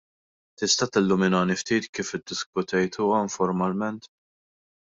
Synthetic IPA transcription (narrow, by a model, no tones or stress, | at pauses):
t̪ɪst̪ɐt̪ɪlːʊmɪnɐːnift̪iːt̪kiːfɪd̪ːɪskʊt̪ɛjt̪ʰuːɐɪɱfɔɾmɐlmɛnt̪